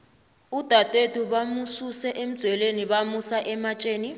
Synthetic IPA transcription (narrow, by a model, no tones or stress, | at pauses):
ud̥ʱatʼwetʰʼuɓamususɛʔem̩dz̥ʱwɛleniɓamusaʔɛmat͡ʃʼeːni